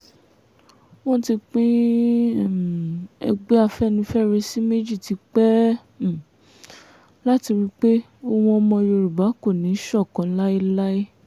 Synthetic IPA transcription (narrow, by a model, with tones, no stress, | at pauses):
wɔ̃˦ti˧k͡pĩ˦˨ | ɛ̰˧ɡ͡be˦a˦˧˨fɛ˦˨nĩ˧fɛ˦˨ɾe˧si˦me˦d͡ʒi˦˨ti˨˧˦k͡pɛ̃˦˨ | la˦ti˧wi˦k͡pe˦ | o˧wɔ̃˧ɔ˧mɔ̃˧jo˧ɾu˨ba˨˦ko˦˨nĩ˨˦ʃɔ˦˨kã˨˧˦la˦i˦la˦i˦